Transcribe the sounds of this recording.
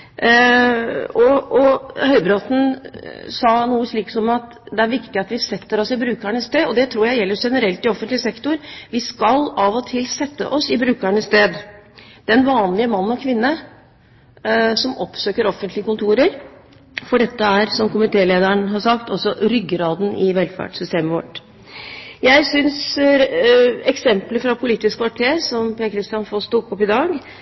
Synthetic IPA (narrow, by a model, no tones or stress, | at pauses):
ɔɔhœʏbɾɑt̪n̩ | sɑnuːəʂɭiːksɔmɑt̪ | d̪ɛæɾʋɪkt̪ɪɑt̪ʋɪsɛt̪ːəɾɔsɪbɾʉːkæɳəst̪eːɔd̪ɛt̪ʰɾuːɾjæɪjɛlːəɾʂɛnəɾɛlt̪ɪɔfənt̪lɪəsɛkt̪ʊɾʋɪskɑlɑʋɔt̪ʰɪlsɛt̪ːə̰ʔɔsɪbɾʉːkæɳəst̪eːd̪d̪̥ɛnʋɑːnlɪəmɑnːnɔkʰʋɪnːə | sɔmɔpːsøːkəɾɔfːənt̪lɪəkʊnt̪ʰuːɾəɾ | fɔɖɛt̪ːəæɾsɔmkʊmɪt̪ʰeːleːd̪əəɳɦɑsɑkt̪ɔsɔɾʏɡːəɾɑːd̪n̩ɪʋɛlfæ̰ʈsʏst̪eːməʋɔʈ | jæɪsʏns | ɛksɛmpləfɾɑpʰʊliːt̪ɪskʰʋɑʈʰeːɾsɔmpʰeːkʰɾɪst̪jɑnfɔst̪uːkɔpːɪd̪ɑːɡ